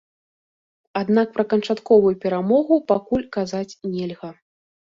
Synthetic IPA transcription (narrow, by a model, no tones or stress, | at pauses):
ad̪nak̚pɾɐkɐnt͡ʂat̪kɔvujupʲɛɾamɔɣupakulʲkazat͡sʲnʲɛlʲɣɐ